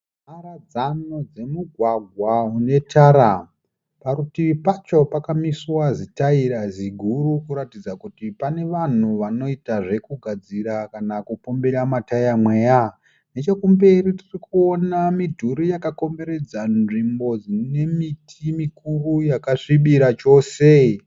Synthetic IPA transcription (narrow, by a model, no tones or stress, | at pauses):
maɾad͡zanod͡ze̞muɡʱwaɡʱwaɦune̞tʰaɾa | paɾutiʋipat͡ʃo̞pakamiswazitaiɾaziɡʱurukuɾatid͡zakutipane̞ʋan̤uʋano̞itaʐe̞kuɡʱad͡ziɾakanakupo̞mbeɾamatajamwe̞ːja | ne̞t͡ʃekumbe̞ɾitirikuonamidʱuɾijakako̞mbe̞ɾe̞d͡zanʐimbo̞d͡zine̞mitʰimikurujakaʂiɓiɾat͡ʃo̞se̞